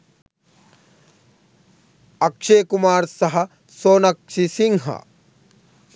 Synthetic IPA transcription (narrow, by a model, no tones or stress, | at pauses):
ɐkʂeːkumaːɾsɐɦɐ̆ | soːnɐkʂisiŋɦɐ̰